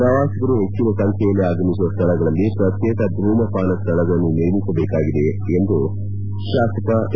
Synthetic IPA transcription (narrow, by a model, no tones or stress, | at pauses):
pɾaʋaːsɐkɐɾuɦet͡ʃːuʋɐkɐnt̪ʰɛjɐlːiaːɡɐmisuʋɐst̪ʰɐɭɐɡɐɭɐlːipɾɐt̪jɛːkɐd̪ɾuːmɐpaːnɐst̪ʰɐɭɐɡɐɭɐnːuneɾmisɐbɛːkaːɡid̪e | end̪u | ʃaːsɐkɐ